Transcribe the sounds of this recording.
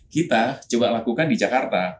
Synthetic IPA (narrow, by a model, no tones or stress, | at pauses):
kit̪at͡ʃuɡaʔlakukandid͡ʒakart̪a